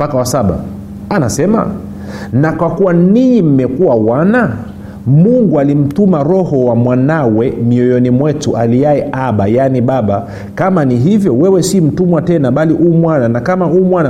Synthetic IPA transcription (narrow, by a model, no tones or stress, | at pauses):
pakawasaɓa̰ | anasɛma̰ | nakwakuwaniɲim̩mɛkuwawana | muŋɡualim̩tumaɾɔhɔwamwanawɛmiɔjɔnimwɛtuʔaliaɛʔaɓajaniɓaɓa | kamaniɦivjɔwɛwɛsim̩tumwatɛnaɓaliʔumwananakamauːmwana